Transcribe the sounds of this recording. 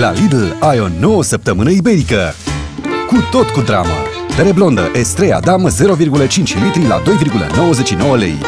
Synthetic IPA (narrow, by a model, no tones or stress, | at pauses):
la̰lid̪lajo̞no̞wəsəp̚t̪əmɨnəibe̞ɾikə | kut̪o̞t̪kud̪ɾa̰mə̰ | peɾeblo̞nd̪ə̰ʔest̪ɾeja̰d̪amze̞ɾo̞virɡulət͡ʃint͡ʃʲmet̪ɾila̰d̪o̞jvirɡulə̰no̞wəze̞t͡ʃʃino̞wəlḛj